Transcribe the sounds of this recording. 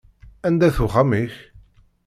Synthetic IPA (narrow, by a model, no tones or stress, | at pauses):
ænd̪æθuχamiç